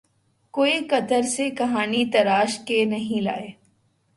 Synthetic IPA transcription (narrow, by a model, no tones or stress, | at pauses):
koːikɐt̪əɾsekɐɦaːnit̪ɐɾaːʃkenɐɦĩla̰ːeː